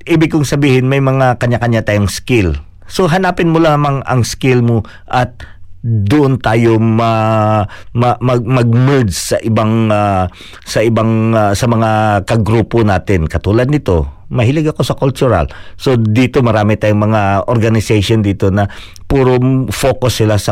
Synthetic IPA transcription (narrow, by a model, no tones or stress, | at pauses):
ʔiːbɪkʊŋsɐbiːhɪnmɐjmɐŋakɐɲːakɐɲat̪aːjoŋskɪl | so̞ɦɐnaːpɪnmolamaŋɐ̰ŋskɪlmo | ʔɐt̪̚d̪ʊʔont̪aːjomɐ | mɐmɐɡmɐɡ̚mɛd̪ssɐʔɪbaŋa | sɐʔɪbaŋsɐmɐŋakɐɡɾuːponaːt̪ɪnkɐt̪uːlɐd̪̚nɪt̪o̞̰mɐhɪlɪɡɐko̞sɐkʊlt͡ʃʊɾɐ̰lsod̪iːt̪o̞mɐɾaːmɪt̪aːjoŋmɐŋaʔoɾɡɐnɪsɛjʃond̪iːt̪o̞nɐ | puːɾofoːkosːɪlasɐ